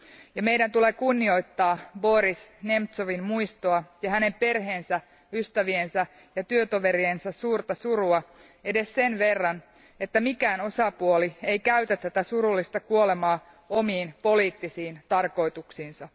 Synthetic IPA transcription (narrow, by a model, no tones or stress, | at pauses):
jɑme̞jdænt̪ulekunːio̞jt̪ːɑːbo̞ɾisnemt̪soʋinmuijst̪oɑjɑhæne̞mpe̞rɦe̞ːnsæ | yst̪æʋiensæ | jɑt̪yøt̪oʋe̞ɾiensæssuːrt̪ɑsuɾuɑ | e̞de̞sse̞nʋe̞rːɑn | e̞t̪ːæmikæːno̞sɑpuoliejkæyt̪æt̪ːæt̪æsuɾulːist̪ɑkuole̞mɑː | o̞miːnpo̞liːt̪ːisiːnt̪ɑrko̞jt̪uksiːnsɑ